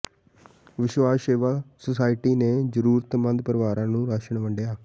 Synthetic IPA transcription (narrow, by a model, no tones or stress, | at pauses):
ʋɪʃwaːsʃeːʋaːsəsaːɪʈiːneːd͡ʒəɾuːɾt̪mə̃nd̪̚pəɾɪʋaːɾãːnũːɾaːʃəɳʋəɳɖjaː